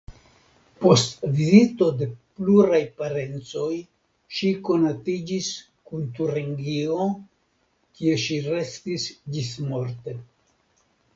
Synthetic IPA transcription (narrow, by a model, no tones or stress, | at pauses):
po̞stvizito̞de̞pluɾajpaɾe̞nt͡so̞j | ʃiko̞natid͡ʒis | kunt̪uɾeŋɡio | kie̞ʃiɾe̞stisd͡ʒismo̞ɾte̞